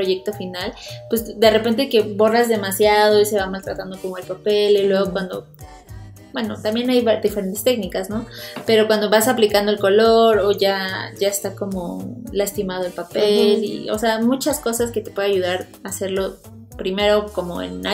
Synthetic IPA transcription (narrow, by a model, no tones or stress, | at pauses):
pɾoʝe̞k̚t̪o̞finalpwe̞sd̪e̞re̞pe̞nt̪̬eke̞βo̞razðe̞masjað̞o̞ise̞βamalt̪ɾat̪and̪o̞ko̞mo̞e̞lpape̞lelwe̞ɣ̞o̞kwand̪o̞̰ | bwe̞no̞̰t̪ambje̞najβad̪ife̞ɾe̞nt̪e̞st̪e̞knikasno̞pe̞ɾo̞kwand̪o̞βasaplikand̪oelko̞lo̞ɾo̞ʝaʝae̞st̪ako̞mo̞last̪imað̞o̞elpapelḭo̰seamut͡ʃasko̞saske̞t̪e̞pwe̞ðaʝuð̞aɾ | ase̞ɾlo̞ | pɾime̞ɾo̞ko̞mo̞ḛna